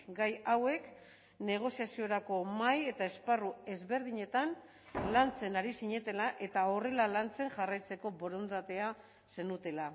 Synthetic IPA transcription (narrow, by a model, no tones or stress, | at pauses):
ɡajawe̞k | ne̞ɣ̞o̞siasioɾako̞maje̞t̪ae̞sparue̞zβe̞ɾðiɲe̞t̪an | lant͡se̞naɾisiɲe̞t̪e̞laʔe̞t̪ao̞re̞lalant͡se̞ŋʝarajt͡se̞ko̞bo̞ɾo̞nd̪at̪e̞a | se̞nut̪e̞la